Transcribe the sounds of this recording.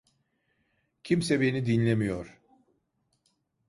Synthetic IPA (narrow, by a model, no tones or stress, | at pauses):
cʰimsɛbenid̪inlʲemijoɾ̥